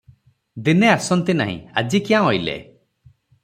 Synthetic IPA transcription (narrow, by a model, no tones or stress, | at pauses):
d̪ineasɔnt̪ina̰ɦḭ̃a̰d͡ʒikiãɦojlḛ